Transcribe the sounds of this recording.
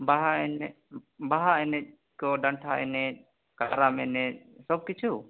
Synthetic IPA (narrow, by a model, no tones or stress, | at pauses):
baɦaɛn | baɦaɛnɛc̚ | kɔɖaɳʈʰaʔɛ̰nɛc̚ | kaɾamɛnɛt̚sɔb̚kit͡ʃʰu